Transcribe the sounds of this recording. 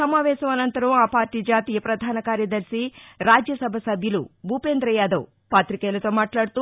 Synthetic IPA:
sɐmaːʋɛːʃɐmɐnɐnt̪ɐɾɐmaːpaːɾʈiːd͡ʒaːt̪iːjɐpɾɐd̪ʱaːnɐkaːɾjɐd̪ɐɾsiɾaːd͡ʒjɐsɐbʱɐsɐbʱjɐlṵbʱupeːnd̪ɾɐjaːd̪ɐw | paːt̪ɾikɛːlɐt̪o̞ːmaːʈlaːɽt̪u

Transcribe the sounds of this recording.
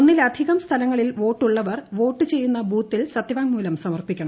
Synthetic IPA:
onːilɐd̪ʱiɣɐmst̪ʰɐlɐŋːɐɭilʋo̞ːʈːuɭːɐʋɐrʋo̞ːʈːɨt͡ɕe̞jːunːɐbuːt̪ːilsɐt̪ːjɐʋaːŋmuːlɐmsɐmɐrpikʲːɐɳɐ

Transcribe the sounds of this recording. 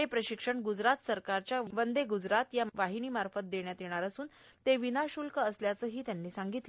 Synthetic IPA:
epɾəɕikʂəɳɡud͡zɾat̪səɾkaɾt͡ɕjaʋənd̪eɡud͡zɾat̪jaʋaɦiniːmaɾfət̪̚d̪eɳjat̪jeɽ̃aɾəsuːn | t̪eʋinaɕulkəəsljat͡səːɦiːt̪janːiːsaŋɡit̪l

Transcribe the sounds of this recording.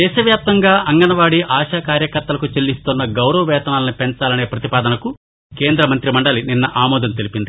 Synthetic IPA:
d̪ɛːʃɐʋjaːp̚t̪ɐŋɡaːɐŋɡɐnɐʋaːɽiʔaːʃaːkaːɾjɐkɐɾt̪ɐlɐkut͡ʃelːist̪unːɐɡɐwɾɐʋɐʋɛːt̪ɐnaːlɐnipent͡ʃaːlɐne̞ːpɾɐt̪ipaːd̪ɐnɐku | ke̞ːnd̪ɾɐmɐnt̪ɾimɐɳɖɐlininːɐʔaːmɔːd̪ɐnt̪elipind̪i

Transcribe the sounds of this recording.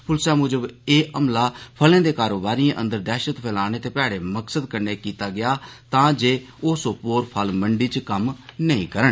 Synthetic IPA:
pʰʊlsaːmʊːd͡ʒəbeːʔəmlaːpʰəlẽːd̪eːkaːɾoːbaːɾiãːʔə̰̃nd̪əɾd̪ɛːʃət̪pʰɛːlaːñeːt̪eːpɛːɽeːməksəd̪kənːeːkiːt̪aːɡɪjaːt̪ãːd͡ʒeː | oːsoːpoːɾpʰəlməɳɖiːt͡ʃkəmnəĩːkəɾəɳ

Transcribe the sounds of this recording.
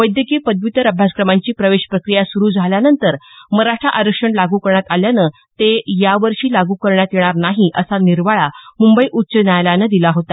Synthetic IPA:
ʋəjd̪jəkiːpəd̪ʋit̪əɾəbʱjaskɾəmaɲt͡ɕiːpɾəʋeɕpɾəkɾijasuɾuːd͡zʱaljanənt̪əɾməɾaʂʈɾaʔaɾəkʂəɳlaɡuːkəɾɳjat̪aljanə | t̪ejaʋəɾɕiːlaɡuːkəɾɳjat̪jeɽ̃aɾnaɦiʔəsaniɾʋaɭamumbəiːʔutːɕənjajlanəd̪ilaɦot̪a

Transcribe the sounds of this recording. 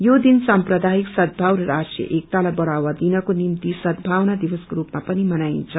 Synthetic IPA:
jod̪insamprʌd̪aiksʌd̪̚bʱawɾʌɾasʈjʌ̰ʔek̚t̪alajbʌɽawad̪inʌkonimt̪isʌd̪bʱawnad̪ibʌskoɾupmapʌnimʌnaint͡sʰʌ

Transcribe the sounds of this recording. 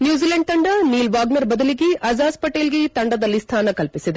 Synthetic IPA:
njuːziːlɐɳɖ̚t̪ɐɳɖɐniːlʋaːɡnɐɾbɐd̪ɐliɡeʔɐzaːspɐʈeːlɡet̪ɐɳɖɐd̪ɐlːist̪ʰaːnɐkɐlpisid̪e

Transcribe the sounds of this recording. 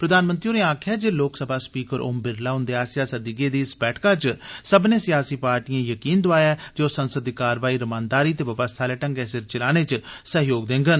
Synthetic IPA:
pɾəd̪aːnmənt̪ɾioneːaːkʰjaːd͡ʒeːloːksəbʱaːspiːkəɾʔʊ̰mbɪɾlaːɦʊnd̪eaːsjaːsəd̪iɡeːd̪iːɪsbɛːʈʰkaːt͡ʃsəbnẽːsɪjaːsiːpaːɾʈijãːjəkiːnd̪oaːjaːd͡ʒoːsənsəd̪iːkaːɾʋaːiːɾəmãːnd̪aːɾiːt̪eːʋəbəst̪ʰaːlɛːʈə̃ŋɡɛːsɪɾt͡ʃəlaːneːt͡ʃsəɦjoːɡ̚d̪ẽːŋɡən

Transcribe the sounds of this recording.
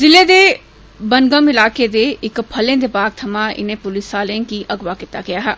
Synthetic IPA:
zɪled̪eː | bɐnɡəmɪlaːked̪eɪkpʰɐlẽd̪ebaːɡ̚t̪ʰɐmãɪ̰nẽpʊlɪsaːlẽnkiʔɐɡwakɪt̪aɡɪjaːɦɛː

